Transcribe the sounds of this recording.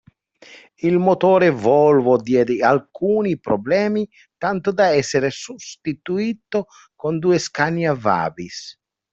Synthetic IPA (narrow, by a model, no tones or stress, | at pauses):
ilmot̪ɔːɾevɔlvod̪jɛːd̪ɪalkuːnipɾoblɛːmi | t̪ant̪od̪aɛsːeɾesust̪it̪uit̪o | kond̪uːeskanjava̰ːbis